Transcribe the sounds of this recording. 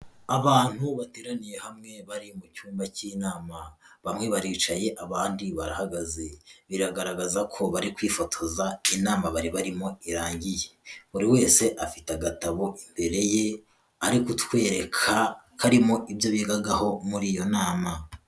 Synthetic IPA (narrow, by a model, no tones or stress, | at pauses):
aβaːn̥huβateːɾanije̞hamŋe̞βaɾimucuːmbaciːnaːmaβamŋe̞βaɾiːt͡ʃaje̞ʔaβaːndiβaɾahaɡazeβiɾaɡaɾaɡazakʰo̞βaɾikwiːfo̞tʰo̞zainaːmaβaɾiβaɾimo̞iɾaːɲɟije̥βuɾiwe̞ːse̞ʔafi̥taɡataβo̞ʔimbe̞ɾe̞je | aɾikutwe̞ːɾekʰakʰaɾimo̞ʔibjo̞βiɡaɡaho̞muɾiːjo̞naːma